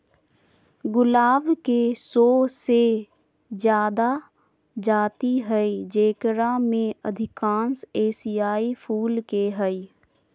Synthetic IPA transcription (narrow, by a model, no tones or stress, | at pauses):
ɡʊlaːbkesoːse | d͡ʒjaːd̪a | d͡ʒaːt̪iɦɛid͡ʒeːkɾamẽəd̪ʱɪkãːnseːsijaːipʰuːlkeɦəi